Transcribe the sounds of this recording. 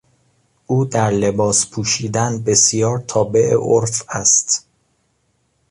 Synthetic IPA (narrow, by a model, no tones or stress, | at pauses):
ʔuːd̪æɾle̞bɒːspʰuːʃiːd̪ænbe̞sjɒːɾt̪ʰɒːbe̞ʔḛʔoɾfæst̪